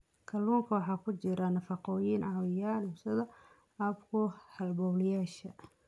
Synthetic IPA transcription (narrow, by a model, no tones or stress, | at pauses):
kʰɐluːŋkʰɐwɑħɑːkʰʊt͡ʃɪɾɐnɐfɑqɔːjiːnʕɑːwɪjaːlɪsɐðɐ | ɐbkʰʊhɐlbɔwlɪjaːʃɐ